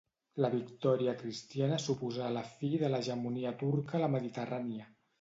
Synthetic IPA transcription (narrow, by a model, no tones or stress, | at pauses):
ləβikt̪ɔɾiəkɾist̪ianəsupuzaləfiðələʒəmuniət̪uɾkələməðit̪əraniə